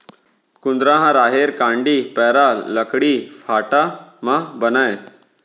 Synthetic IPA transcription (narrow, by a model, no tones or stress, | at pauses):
kund̪ɾãɦãɾaːɦeɾkãɳɖiːpɛːɾaləkɽiːfaʈamabənaj